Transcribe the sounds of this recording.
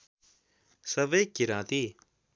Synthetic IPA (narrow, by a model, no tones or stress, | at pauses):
sɐʋeːkiɾãːt̪i